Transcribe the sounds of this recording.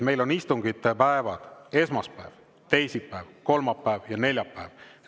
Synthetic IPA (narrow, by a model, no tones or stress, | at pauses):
me̞jlo̞nist̪uŋɡit̪ːepæevɑd̪̥e̞smɑspæev | t̪e̞jsippːæevko̞lmɑpːæevjɑne̞lʲjɑpːæev̥